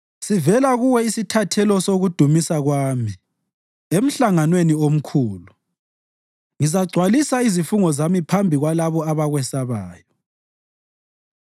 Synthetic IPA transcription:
sivɛlaɣuwɛisitʰatʰɛlɔsoɣud̥ʱumisaɣwaːmi | em̩ɬaŋanweniom̩kʰuːlu | ŋizaɡ͡ǀʱwalisaizifuŋɔzamipʰambʱiɣwalaβɔaβaɣwɛsaβaːjɔ

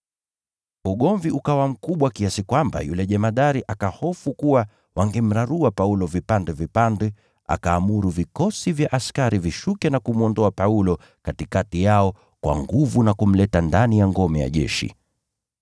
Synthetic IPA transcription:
uɠɔɱviʔukawam̩kuɓwakiasikwamba̰jṵlɛʄɛmaɗaɾiʔakahɔfukuwa | wʔaŋɡɛm̩ɾaɾuapaulɔvipandɛvipandɛ | a̰kaːmuɾuvikɔsivjaʔaskaɾiviʃukɛnakumuɔndɔapaulɔ | katikatijaɔ | kwa̰ŋɡuvunakum̩lɛtandanijaŋɡɔmɛja̰ʄɛ̰ʃḭ

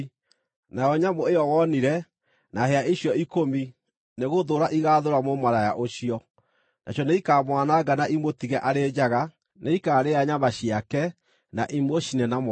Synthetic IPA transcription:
najɔɲamoejɔwɔniɾɛ | naheaiɕjɔikomi | neɣoðoɾaʔiɣaːðoɾamomaɾajaʔoɕiɔ | nʔa̰ɕɔneikaːmwanaɡanaʔimotiɣɛʔaɾed͡ʑaɣa | neikaːɾeaɲamaɕiakɛ | naʔimoɕinɛnam

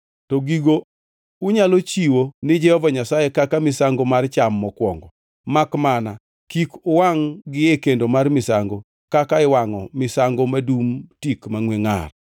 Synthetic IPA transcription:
tɔɡiɡo | ʊɲalot͡ʃiwonɪd͡ʒɛhɔvaɲasajekakamɪsaŋɡomart͡ʃamːɔkwɔŋɡɔ | makmana | kikʊwaŋɡɪɛkendomarmɪsaŋɡo | kakaɪwaŋɔmɪsaŋɡomadumtikmaŋweŋa̰r

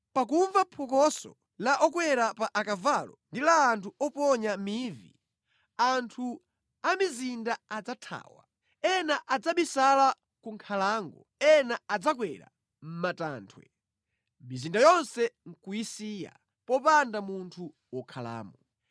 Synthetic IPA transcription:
pak̬uɱvapʰɔkɔsɔ̰ | laʔɔkwɛɾapaʔakavalɔndilaːntʰuɔpɔɲamivḭ | antʰu | amizindaad͡zatʰa̰ːwa̰ | ɛnaʔad͡zaɓisala | kuŋkʰalaːŋɡɔ̰ | ɛnaad͡zakwɛɾa̰ | m̩mataːntʰwɛ̰ | mizindajɔnsɛŋ̩kuisiːja̰ | pɔpandamuntʰu | wɔkʰala̰ːmɔ

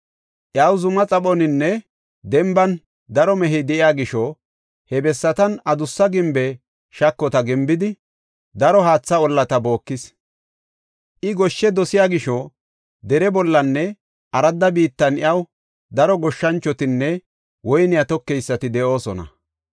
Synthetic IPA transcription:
ʔɪɐwzʊmɐt͡sʼɐɓɔnɪnːɛ | d̪ɛmbɐn | d̪ɐɾɔmɛɦɛjd̪ɛʔɪjaːɡɪʃɔ | hɛbɛsːɐt̪ɐnɐd̪ʊsːɐɡɪmbɛ | ʃɐkːɔt̪ɐɡɪmbɪd̪ɪ | d̪ɐɾɔɦaːt͡sːɐɔlːɐt̪ɐbo̞ːkːɪs | ʔɪɡɔʃːɛd̪ɔsɪjaːɡɪʃɔ | d̪ɛɾɛbɔlːɐnːɛ | ʔɐɾɐd̪ːɐbiːt̪ːɐnɪjɐw | d̪ɐɾɔɡɔʃːɐnt͡ʃːɔt̪ɪnːɛ | wɔjnɪjat̪ɔkːɛjsːɐt̪ɪd̪ɛʔo̞ːsɔ̰nɐ̰

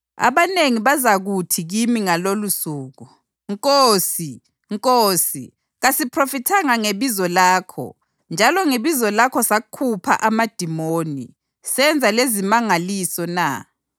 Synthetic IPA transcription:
a̰βaneŋiβazaɣutʰiɣimiŋalolusuːɣu | ŋkʼoːsi | ŋkʼoːsi | ɣasipʰrofitʰaŋaŋeβizɔlaːkʰɔ̰ | nd͡ʒʱalɔŋeβizɔlakʰɔsakʰupʰa̰ʔamad̥ʱimoːnḭ | sɛnd͡zʱalezimaŋalisɔna̰

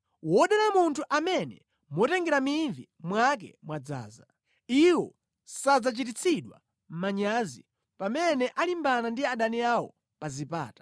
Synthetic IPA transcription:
wɔɗɛɾamuntʰuʔamɛnɛ̰ | mwɔtɛŋɡɛɾamiɱvi | mwak̬ɛ̰mwad͡za̰ːza | iwɔ | sad͡zat͡ʃit̬it͡sʰiɗwa̰ | m̩maɲaːzḭ | pamɛnɛʔalimbanandiaɗaniawɔ̰ | pazipa̰ːtḁ

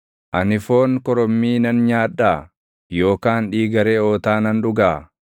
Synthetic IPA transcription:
ʔɐnɪfo̞ːŋkɔɾɔmːiːnɐnɲaːᶑːaː | jo̞ːkaːnᶑiːɡɐɾeːo̞ːt̪aːnɐnᶑʊɡaː

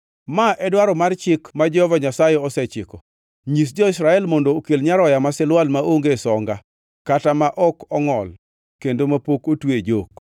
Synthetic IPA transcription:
maʔɛdwaɾɔmart͡ʃɪkmad͡ʒɛhɔvaɲasajeɔsɛt͡ʃɪkɔ | ɲis̬d͡ʒɔɪsɾaɛlmɔndookelɲaɾɔjamasɪlwalmaʔoŋɡesɔŋɡa | katamaʔɔkɔŋɔl | kendomapokotwed͡ʒok̚

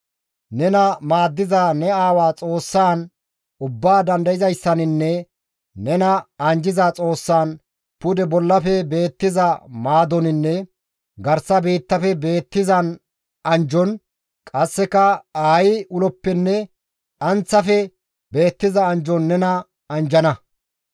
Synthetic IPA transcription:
nɛnɐmaːd̪ːɪzaːnɛaːwaːt͡sʼo̞ːsːaːn | ʊbːaːd̪ɐnd̪ɐjɪzɐjsːɐnɪnːɛ | nɛnɐɐnd͡ʒɪzaːt͡sʼo̞ːsːaːn | pʊd̪ɛbɔlːɐfɛbe̞ːt̪ːɪzɐmaːd̪ɔnɪnːɛ | ɡɐɾsɐbiːt̪ːɐfɛbe̞ːt̪ːɪzɐn | ɐnd͡ʒɔn | kʼɐsːɛkɐaːjɪʔʊlɔpːɛnːɛ | ᶑɐnt͡sːɐfɛ | be̞ːt̪ːɪzɐːnd͡ʒɔnːɛnɐ | ɐnd͡ʒɐnɐ

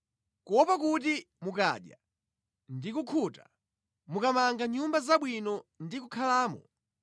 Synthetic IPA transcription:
kɔpakut̬i | muka̰ɗja̰ | ndikukʰuta | mukamaŋɡaɲumbazaɓwinɔndik̬ukʰalaːmɔ

